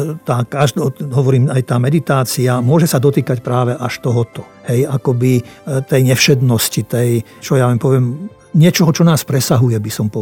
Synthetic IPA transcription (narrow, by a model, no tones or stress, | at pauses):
t̪aːkaʒd̪ɔɦɔʋɔɾiːmajt̪aːmɛd̪it̪aːt͡siamʊɔʒɛsad̪ɔt̪iːkacpɾaːʋɛʔaʃt̪ɔɦɔt̪ɔ | hɛjakɔbit̪ɛjɲɛfʃɛd̪nɔscit̪ɛj | t͡ʃɔjaʋampɔʋɪɛm | ɲɪɛt͡ʃɔɦɔt͡ʃɔnaːspɾɛsaɦujɛbisɔmpɔ